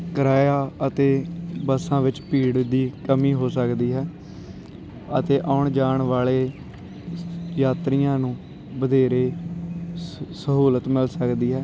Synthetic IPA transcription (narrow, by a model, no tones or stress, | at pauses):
kəɾaːjaːət̪eːbəsãːʋɪt͡ʃpiːɽd̪iːkəmiːɦoːsəkd̪iːɦɛː | ət̪eːʔaʊːɳd͡ʒaːɳʋaːleː | jaːt̪ɾijãːnũː | bəd̪ʱeːɾeː | səɦuːlət̪mɪlsəkd̪iːɦɛː